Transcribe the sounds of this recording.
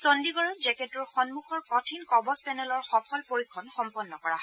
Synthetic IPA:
sondiɡɔɹɔzɛketuɹxɔnmuxɔɹkɔtʰinkɔbɔspɛnɛlɔɹxɔpʰɔlpoɹikʰːɔnxɔmpɔnːɔkɔɹaɦɔ

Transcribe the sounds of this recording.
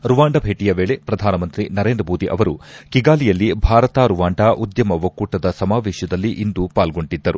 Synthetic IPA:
ɾuʋaːɳɖɐbʱeːʈijɐʋeːɭe̞pɾɐd̪ʱaːnɐmɐnt̪ɾinɐɾeːnd̪ɾɐmoːd̪iʔɐʋɐɾukiɡaːlijɐlːibʱaːɾɐt̪aːɾuʋaːɳɖaʔud̪jɐmɐʋɐkuːʈɐd̪ɐsɐmaːʋɛːʃjɐd̪ɐlːiʔind̪upaːlɡo̞ɳʈid̪ːɐɾu

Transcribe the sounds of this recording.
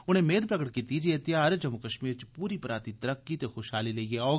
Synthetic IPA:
ʊñɦẽmeːd̪̚pɾɐɡəʈ̚kit̪id͡ʒiet̪ɪjaːɾd͡ʒɐmukɐʃmiːɾt͡ʃpuːɾipɐɾaːt̪it̪ɐɾɐkːit̪exoʃɦaːlileːieɔː

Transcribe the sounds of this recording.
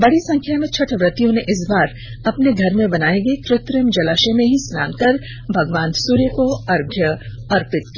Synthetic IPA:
bɐɽisɐ̃ŋkʰjamẽt͡ʃʰɐʈʰʋɾɪt̪jõneʔɪs̬baːɾ | ɐpneɡʱɐɾmẽbɐnaːẽɡekɾɪt̪ɾəmd͡ʒɐlaːʃemẽɦisna̰ːnkɐɾ | bʱɐɡʋãːnsuːɾjəkoɐɾɡʱjə | ɐɾpɪt̪̚ki

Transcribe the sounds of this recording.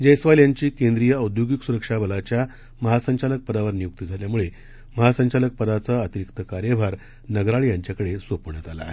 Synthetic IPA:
d͡ʑəjsʋaljaɲt͡ɕiːkẽnd̪ɾijəud̪joɡiksuɾəkʂabʱəlat͡ɕja | məɦasəɲt͡ɕalək̚pəd̪aʋəɾnijuk̚t̪id͡zʱaljamuɭe | məɦasəɲt͡ɕalək̚pəd̪at͡saət̪iɾikt̪əkaɾjəbʱaɾ | nəɡɾaɭijaɲt͡ɕjakəɽesopəɳət̪ala̰e

